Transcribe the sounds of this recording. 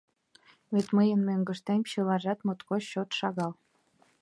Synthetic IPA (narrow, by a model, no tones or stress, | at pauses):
βet̪məjənmøŋɡə̆ʃt̪emʲɕɤlɑʒɑt̪mot̪koɕot̪ʃɑɣɑl